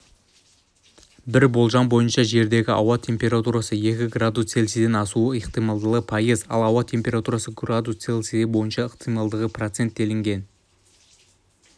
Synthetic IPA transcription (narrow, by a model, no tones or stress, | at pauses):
bɪɾbo̞lˠʒɑmbo̞jənʃɑʒe̞ɾd̪e̞ɡʲɪʔɑ̰wɑt̪ʲʰe̞mpʲe̞ɾat̪uɾasəje̞kʲɪɡrad̪ust̪se̞lsed̪enɑsuəiqt̪ijmɑlˠd̪əlˠəpʰɑjəzɑ̰lˠɑwɑt̪ʰe̞mpʲe̞ɾat̪uɾasəɡrad̪ust̪selˠseɪbo̞jənʃɑəqt̪ijmɑlˠd̪əʁəpʰrot̪se̞nt̪̚d̪e̞lɪŋɡʲe̞n